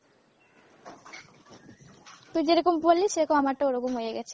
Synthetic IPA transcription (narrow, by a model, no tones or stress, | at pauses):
t̪ujd͡ʑeɾokompoliseɾokomamaʈaoɾokomɦojeɡɛt͡ʃʰi̥